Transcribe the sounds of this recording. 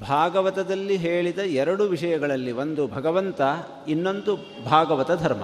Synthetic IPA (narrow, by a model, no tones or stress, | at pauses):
bʱaːɡɐʋɐt̪ɐd̪ɐlːiɦeːɭid̪ɐɛɾɐɽuʋiʂɐjɐɡɐɭɐlːiʋond̪ubʱɐɡɐʋɐnt̪ɐ | inːo̞nd̪u | bʱaːɡɐʋɐt̪ɐd̪ʱɐɾmɐ̰